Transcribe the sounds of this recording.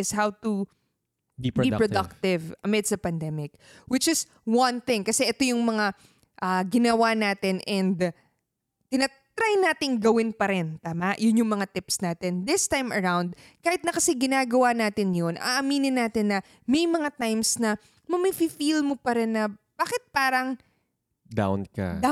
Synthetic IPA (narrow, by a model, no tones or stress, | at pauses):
ʔɪshawt̪u | bbbipɹod̪ɐk̚t̪ɪvɐmɪd̪sd̪ɐpɐnd̪ɛmɪk̚ | wɪt͡ʃɪs | wɐ̃nθɪ̃ŋkɐsɛʔɛt̪o̞jʊŋmɐŋa | ʔaɡɪnɐwanaːt̪ɪnʔɛnd̪ | t̪ɪnɐ | t̪ɾajnaːt̪ɪŋɡɐwɪnpɐɾɛnt̪aːmaʔjʊnjʊŋmɐŋat̪ɪpsnaːt̪ɪnd̪ɪst̪ajmɐɹawnd̪̚kaːhɪt̪nɐkɐsɛɡɪnaːɡɐwanaːt̪ɪnjo̞nʔɐ̰ʔɐmiːnɪnːaːt̪ɪnːɐ | mɛjmɐŋat̪ajmsnɐ | mɐmififilmopɐɾɛnːɐb̥aːkɪt̪̚paːɾɐŋ | d̪a̰wnkɐ̰